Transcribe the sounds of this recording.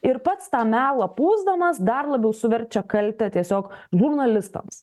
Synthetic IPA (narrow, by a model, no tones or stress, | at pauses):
ɪɾpɐt̪st̪ɑːmʲæːlˠɐpuːzd̪ɐmɐsd̪ɐrlˠɐbʲɛʊsʊʋʲɛɾʲt͡ʃʲɛkɐlʲt̪ʲɛt̪ʲiɛsʲoːkʒʊrnɐlʲɪst̪ɐ̰ms